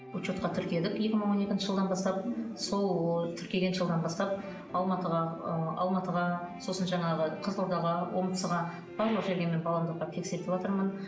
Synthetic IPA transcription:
ut͡ʃot̪̚qɑt̪ʰʏɾkʲe̞d̪ɪkje̞kʲɪməɴwo̞ne̞kʲɪnʃɪʒəlˠd̪ɑnbɑst̪ɑp̚so̞lˠt̪ʰʏɾkʲe̞ɡ̪ʲʒəlˠd̪ɑnbɑst̪ɑp̚ | ɑlˠmɑt̪əʁɑɑlˠmɑt̪əʁɑso̞sənʒɑɴɑʁəqʰəzoɾd̪ɑʁɑwomt̪ə̥səʁɑ | b̥ɑɾlˠəqʒe̞ɾɡʲeme̞nbɑlˠɑmd̪əq̚ːɑt̪ʰe̞kse̞ɾt̪ɪpwot̪əɾmən

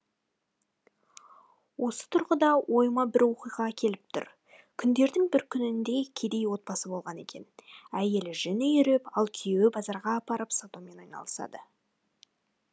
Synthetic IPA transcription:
wʔo̞sə̥t̪ʰʊɾʁəd̪ɑwʔo̞jmɑbɪɾwo̞qijʁɑkʲʰe̞lɪp̚t̪ʰʊ̰ɾ | kʲʰʏnd̪e̞ɾd̪ɪŋbɪɾkʲʰʏnɪnd̪e̞kʲʰe̞d̪e̞jwo̞t̪̚pɑsəbo̞lˠʁɑne̞̰kʲe̞̰næje̞lɪʒɪnɪjʏɾepɑlˠkʲʰijewɪbɑzɑɾʁɑːpɑɾəpsat̪ome̞nɑjnɑ̰lˠəsɑ̰d̪ə

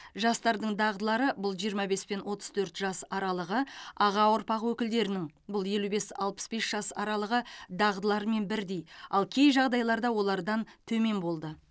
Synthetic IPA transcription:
ʒɑst̪ɑɾd̪əɴd̪ɑʁd̪əlˠɑɾəbʊlˠʒijəɾmɑbe̞spe̞nwʔo̞t̪ə̥z̥t̪ʰɵɾt̪ʒɑsɑɾɑlˠəʁəɑʁɑwʊɾpɑqwɵkʲɪld̪e̞ɾɪnɪŋ | bʊlˠje̞lube̞sɑ̰lˠpə̥sbe̞sʒ̥ɑsɑ̰ɾɑlˠəʁəd̪ɑʁd̪əlˠɑɾme̞nbɪɾd̪e̞jɑlˠkʲʰe̞jʒɑʁd̪ɑjlˠɑɾd̪ɑwo̞lˠɑɾd̪ɑnt̪ʰɵme̞nbo̞lˠd̪ə

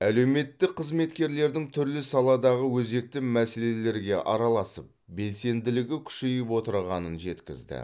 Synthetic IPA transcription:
æle̞wme̞t̪ːɪkqʰəzme̞t̪kʲe̞ɾle̞ɾd̪ɪŋt̪ʰʏɾlɪsɑlˠɑd̪ɑʁəwɵze̞k̚t̪ɪmmæse̞le̞le̞ɾɡʲe̞ʔɑɾɑlˠɑsəp̚be̞lse̞nd̪ɪlɪɡʲɪkʲʰʏ̥ʃejɪpwo̞t̪əɾʁɑnənʒe̞t̪kʲɪ̰zd̪ɪ̰

